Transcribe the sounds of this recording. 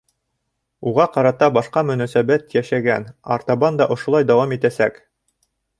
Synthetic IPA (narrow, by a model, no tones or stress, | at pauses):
uʁɑqɑɾɑt̪ɑbɑʃqɑmɵ̆næsæbæt̪jæʃæɡæ̰nɑ̰ɾt̪ɑβɑnd̪ɑʔŏʃŏlˠɑjd̪ɑwɑmit̪æsæk